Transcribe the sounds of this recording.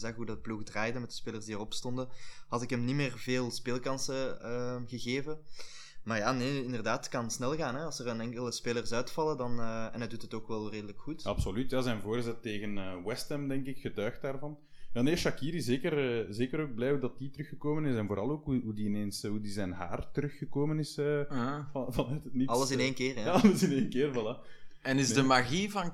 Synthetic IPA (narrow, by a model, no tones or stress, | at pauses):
zaːxɦudɑt̚pluxdraːjdəmɛtdə̥speːlərzdiərɔpstɔndəhɑtɪkɦəmnimeːrveːlˠspeːlˠkɑnsəəːɣəɣeːvə | maːrjaːneɪndərdaːtkɑnsnɛlˠɣaːnɦɛɑlˠsərənɛŋkələspeːlərsœːtfɑlˠədɑnəːɛ̰nɦɛdutɦətoːkʋɛlˠreːdələkxutɑpsolytjaːzɛnvoːrzɛtːeːɣənəːwɛstɛmdɛŋkɪkxətœːxt̚daːrvɑn | jaːneʃɑkiːɾiɪseːkərəzeːkəɾoːɡ̚blɛːjudɑt̚ditəɾɵxəkoːmənɪsɛnvoːɾʔɑlˠoːkɦuɦudiɪneːnsɦudizɛnɦa̰ːrtəɾʏxːəkoːmənɪsə | vɑnœtɦətniɑlˠəsɪneːnkeːrɑləsɪneːnkeːrvɑlaɛnɪzdəmaɣivɑn